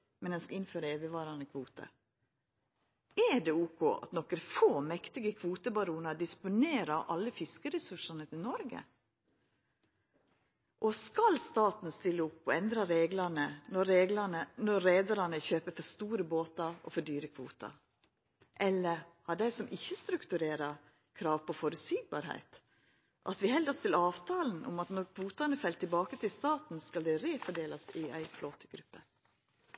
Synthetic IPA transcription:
mɛnɛnskɑɪnføːɾəeːʋəʋɑːɾɑnəkʰʋuːt̪ə̰ | ɛɖɛuːkʰo̰ːɑ̰t̪nɔkːɾəfoːmɛkt̪ɪɡəkʰʋuːt̪əbɑɾuːnɑd̪ɪspʊneːɾɑʔɑlːəfɪskəɾɛsʉʂɑnət̪ʰɪlnɔɾɡə̰ | ʔɔskɑlst̪ɑːt̪n̩st̪ɪlːəʊpːɔɛnd̪ɾɑɾeːɡlɑnənɔɾeːɡlɑnənɔːeːd̪ɑɾɑnəçøːpəfɔɾst̪uːɾəboːt̪ɑɔ̰fɔɖyːɾəkʰʋṵːt̪ɑ̰ | ʔɛlːəɾhɑɖæɪsɔmʔɪçːəst̪ɾʉkt̪ʉɾeːɾɑ | kʰɾɑːʋpʰɔfɔɾʉt̪siːɡ̚bɑ̰ːɾhæ̰ɪt̪ | ʔɑt̪ʋɪhɛld̪ɔst̪ʰɪlɑːʋt̪ʰɑːln̩ʔʊ̰mɑt̪nɔɾkʰʋuːt̪ɑnəfɛlt̪ʰɪlbɑːkət̪ʰɪlst̪ɑːt̪n̩skɑld̪ɛɾeːfɔɖeːlɑsɪæɪfloːt̪əɡɾʉpːə

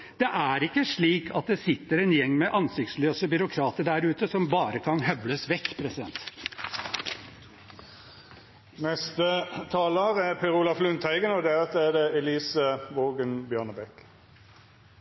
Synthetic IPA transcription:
d̪ɛʔæɾɪkːəʂɭiːkʰɑt̪̚d̪ɛsɪt̪ːəɾɛnjɛŋːmɛʔɑnsɪkt̪sløːsəbʏɾʊkʰɾɑːt̪əɖæɾʉːt̪əsɔmbɑːɾəkʰɑnɦœbləsʋɛkːpʰɾɛsɪd̪ɛ̰nt̪ | nɛst̪ət̪ʰɑːləʁæpʰɛɾuːlɑflʉnt̪hæɪɡənɔd̪ɛɑt̪əæd̪ɛɛliːsəʋoːɡənbjœnəbɛk

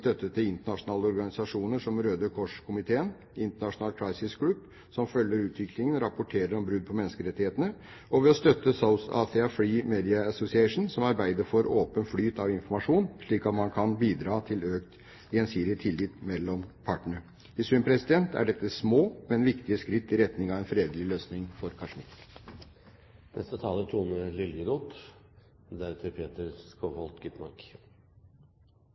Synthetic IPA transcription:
t̪œt̪ːət̪ːɪɪnt̪əɳɑʂʊnɑːləɔɾɡɑnɪsɑʂuːnəʂɔmɾøːd̪əkʰɔʂkʰʊmɪt̪ʰeːən | ɪnt̪əɳɑʂʊnɑːlkʰɾɑɪsɪsɡlʉb | sɔmfœlːəɾʉːt̪ʰʋɪklɪŋənɾɑpʊʈʰeːɾəɾɔmbɾʉd̪̚pʰɔmɛnːəskəɾɛt̪ːɪheːt̪ənə | ɔʋɛɔst̪œt̪ːəsaʊsɑ̰ːθɛɑfliːmeːd̪ɪɑɑsʊsɪɛɪʂn̩sɔmɑɾbæɪd̪əɾfɔɾoːpənflyːt̪ʰɑʋɪnfɔɾmɑʂuːnʂɭiːkɑt̪mɑnkʰɑnbiːd̪ɾɑːt̪ʰɪløːkt̪ | ɪɛnsiːɾɪt̪ʰɪlːiːt̪mɛlːɔmpʰɑʈːəɳə | ɪsʉmpʰɾɛsɪd̪ɛnt̪ʰæ̰ɖɛt̪ːəsmoːmɛnʋɪkt̪ɪəskɾɪt̪ːɪɾɛt̪nɪŋɑʋɛnfɾeːd̪əlɪløːsnɪŋfɔɾkʰɑʂmɪt̪ː | nʔɛ̰st̪ət̪ʰɑːlət̪ʰuːnəlɪljəɾuːt̪ | d̪æɾt̪ʰəɾpʰeːt̪əɾskohɔlt̪ɡʏt̪mɑ̰ɾk

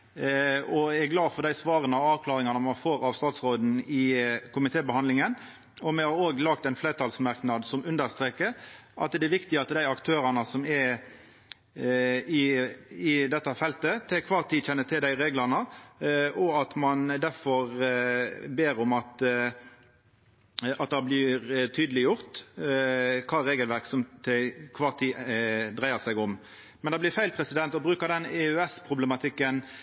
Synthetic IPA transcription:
ɔæɡlɑːfɔd̪æɪsʋɑːɾənɑɑːʋkʰlɑːɾɪŋɑnəmɑnfoːɾɑʋst̪ɑːt̪sɾoːd̪n̩ɪkʊmɪt̪ʰeːbəhɑnd̪lɪŋən | ɔmɛhɑɾoːɡlɑkt̪ɛɪnfleːt̪ʰɑlsmɑɾknɑd̪sɔmʉnd̪əɾst̪ɾeːkəɾʔɑ̰t̪d̪ɛɛɾʋɪkt̪ɪɑt̪əd̪æɪɑkt̪ʰøːɾɑnəsɔmɛ | ɪɪd̪ɛt̪ːəfɛlt̪ət̪ʰɛːkʰʋɑːɾt̪ʰiːd̪çɛnːət̪ʰɪld̪æɪɾeːɡlɑnə | ʔɔɑt̪mɑnd̪æɾfɔʁ | beːɾɔmɑt̪ | ɑt̪̚d̪ɑbliːɾt̪ʰyːd̪əlɪjʊʁt̪ | kʰɑːɾeːɡəlʋæɾʁksɔmt̪ʰɛkʰʋɑːʁt̪ʰiːd̪ʁæɪəsæɪɡʊm | mɛnd̪ɑːblɪfæɪlpʰɾɛsɪd̪ɛnt̪ɔbɾʉːkəʁd̪ɛnɛʉɛspʰʁʊbləmɑt̪ʰɪkːən

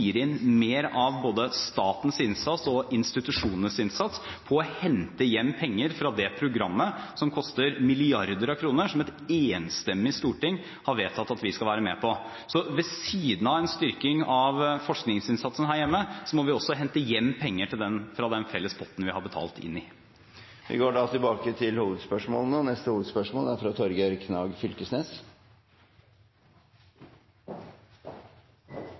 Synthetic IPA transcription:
iːɾɪnmeːɾɑʋboːd̪əst̪ɑːt̪n̩sɪnsɑt̪sɔɪnst̪ɪt̪ʉʂuːnənsɪnsɑt̪spʰɔːhɛnt̪əjɛmːpʰɛŋːəɾfɾɑd̪ɛpʰɾʊɡɾɑmːəsɔmkʰɔst̪əɾmɪlɪɑɾd̪əɾɑkʰɾuːnəʂɔmɛt̪eːnst̪ɛmːɪst̪uːʈɪŋː | hɑɾʋeːt̪ʰɑt̪ːɑt̪ʋɪskɑlʋæːɾəmɛːpʰɔ | sɔʋɛsiːd̪n̩ɑɛnst̪ʏɾkɪŋɑʋfɔʂknɪŋsɪnsɑt̪sən̩hæːɾjɛmːəsɔmɔʋɪɔsːɔɦɛnt̪əjɛmːpʰɛŋːəʈʰɪld̪ɛnfɾɑd̪ɛnfɛlːəspʰɔt̪ːn̩ʋɪhɑɾbət̪ʰɑ̰ːlt̪ɪ̰nːɪ | ʋɪ̰ɡoːɖɑt̪ʰɪlbɑːkət̪ʰɪlhuːʋəd̪spœʂmo̰ːlnoːnɛst̪əhuːʋəd̪spœʂmoːlæɾfɾɑt̪ʰɔɾɡəɾkʰnɑːɡfʏlkəsneːs

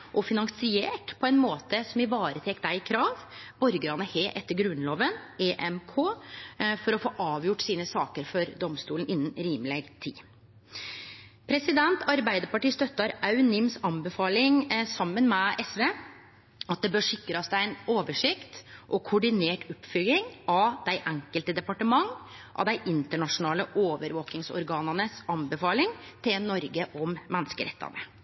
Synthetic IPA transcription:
ʔɔfɪnɑŋsɪeːʈpʰɔɛnmoːt̪əsɔmɪʋɑːɾət̪ʰɛːkd̪æɪkʰɾɑːʋbɔɾɡəɾɑnːəheːʔɛt̪ːəɾɡɾʉnloːʋəneːʔɛmkʰoːfɔɾɔfoːʔɑːʋjʊʈːsiːnəsɑːkəɾfɔɾd̪ɔmst̪uːln̩ɪnːənɾiːmlɛɡt̪ʰḭː | pʰɾɛsɪd̪ɛnt̪ɑɾbæɪd̪əɾpɑʈiːst̪œt̪ːɑɾɑʉnɪmsɑnbɛfɑːlɪŋsɑmːənmɛʔɛsʋeː | ɑt̪̚d̪ɛbøːʂɪkːɾɑsd̪æɪɛnoːʋəʂɪkt̪ʔɔkʰʊɖɪneːʈʰʊpːfʏlɪŋʔɑd̪̥æɪʔæŋkəlt̪əd̪ɛpɑʈəmɑŋːʔɑ̰d̪æɪʔɪnt̪əɳɑʂʊnɑːləʔoːʋəɾʋoːkɪŋsɔ̰ɾɡɑːnɑnəsɑnbɛfɑːlɪŋt̪ʰɪlnːɔɾɡəʔɔmmɛnːskəɾɛ̰t̪ʰːɑ̰nə

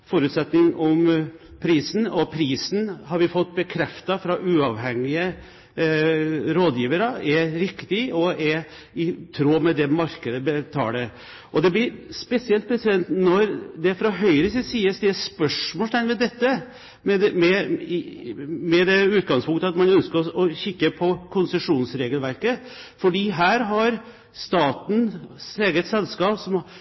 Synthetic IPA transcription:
fɔɾʉt̪sɛt̪nɪŋɔm | pʰɾiːsn̩ɔpʰɾiːsnhɑɾʋɪfɔt̪ːbəkʰɾɛft̪ɑfɾɑʔʉːɑʋɦɛŋːɪə | ɾoːd̪jiːʋəɾəɛɾɪkt̪ɪɔɛɾ | ɪt̪ʰɾoːmɛd̪ɛmɑɾkəd̪əbət̪ʰɑ̰ːlə | ʔɔd̪ɛblɪɾspɛsɪɛlt̪̚pʰɾɛsɪd̪ɛnt̪nɔɾd̪ɛfɾɑɦœʏɾəsiːd̪siːəsd̪ɛæspœʂmoɔːlt̪ʰænmɛd̪ɛt̪ːə | mɛd̪mɛ | mɛd̪ɛʉːt̪̚ɡɑŋspʰʊŋkt̪əɑt̪mɑnœnskəɾɔɔçɪkːəpʰɔkʰʊnsəʂuːnsɾeːɡəlʋæɾkəfɔɖiːɦæːɾɦɑɾ | st̪ɑːt̪n̩seːɡət̪sɛlskɑːpsɔm

